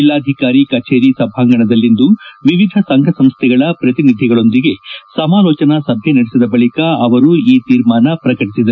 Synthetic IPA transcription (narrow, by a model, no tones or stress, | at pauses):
ilːaːd̪ʱikaːɾikɐt͡ʃeːɾisɐbʱaːŋɡɐɳɐd̪ɐlːind̪uʋiʋid̪ʱɐsɐŋɡʱɐsɐmst̪ʰɛɡɐɭɐpɾɐt̪inid̪ʱjɐɡɐɭo̞nd̪iɡe̞sɐmaːlɔːt͡ʃɐnɐsɐbʱjenɐɽesid̪ɐbɐɭikɐɐʋɐɾuiːt̪iːɾmaːnɐpɾɐkɐʈisid̪ɐɾ